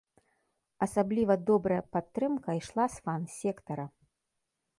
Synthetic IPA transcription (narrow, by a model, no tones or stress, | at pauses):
ɐsablʲivɐd̪ɔbɾɐjɐpat̪ːɾɨmkɐjʂlˠasfansʲɛkt̪ɐɾɐ